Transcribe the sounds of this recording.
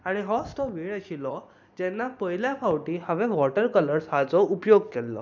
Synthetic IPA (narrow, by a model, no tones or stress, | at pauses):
aɽ̃iɦɔsʈɔʋiɭaɕilɔ | d͡ʑɛnːapəjljapʰawʈihəʋɛ̃ʋɔʈəɾkələɾsɦat͡sɔupjoɡ̚kɛlːɔ̰